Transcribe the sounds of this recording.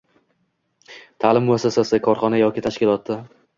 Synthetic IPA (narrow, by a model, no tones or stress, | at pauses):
t̪ʰalɪmːʊasːasasɪkʰɒɾχɒnajɒkʲɪt̪ʰaʃkʲɪlˠɒt̪ːa